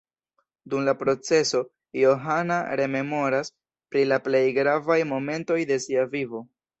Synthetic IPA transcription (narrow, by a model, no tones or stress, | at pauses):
dumlapɾo̞t͡se̞so̞ | jo̞ɦanaɾe̞me̞mo̞ɾas | pɾilaple̞jɡɾavajmo̞me̞nto̞jde̞siavivo̞